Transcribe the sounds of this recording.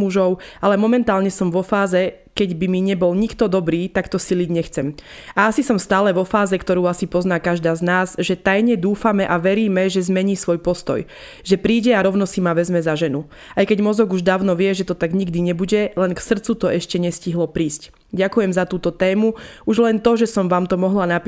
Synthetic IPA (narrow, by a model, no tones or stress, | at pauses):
muʒɔʊalɛmɔmɛnt̪aːlɲɛsɔmʋɔfaːzɛ | kɛɟbimiɲɛbɔlɲikt̪ɔd̪ɔbɾiːt̪akt̪ɔsiliɟɲɛxt͡sɛmaasisɔmst̪aːlɛʋɔfaːzɛkt̪ɔɾuːasipɔznaːkaʒd̪aːznaːzʒɛt̪ajɲɛd̪uːfamɛʔaʋɛɾiːmɛʒɛzmɛɲiːsʋɔjpɔst̪ɔ̰j | ʒɛpɾiːɟɛaɾɔʊnɔsimaʋɛzmɛzaʒɛnu | ajkɛɟmɔzɔɡuʒd̪aːʊnɔʋɪɛʒɛt̪ɔt̪aɡɲiɡd̪iɲɛbuɟɛlɛnksr̩t͡sut̪ɔɛʃcɛɲɛsciɦlɔpɾiːsc | ɟakujɛmzat̪uːt̪ɔt̪ɛːmuuʒlɛnt̪ɔʒɛsɔmʋaːmt̪ɔmɔɦlanapi